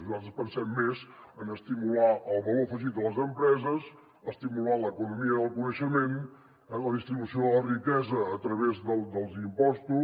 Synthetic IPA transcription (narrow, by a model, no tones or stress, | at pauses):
zaəspənsɛmːezənəst̪imulaʔəlˠβəlofəʒit̪̚ələzəmpɾɛzəz | əst̪imulaləkunumiəəlˠkunəʃəmen | ləðist̪ɾiβusioələrikɛzəːt̪ɾəβezðəlˠd̪əlˠzimpɔst̪u